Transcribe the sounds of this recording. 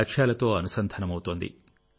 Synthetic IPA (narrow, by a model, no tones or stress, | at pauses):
kʂaːlɐt̪o̞ːɐnusɐnd̪ʱɐnɐmɐwut̪oːnd̪ḭ